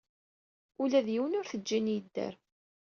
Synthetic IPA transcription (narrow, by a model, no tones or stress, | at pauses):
ʊlæðjiwənʊɾθəd͡ʒːinjəd̪ːæ̰ɾ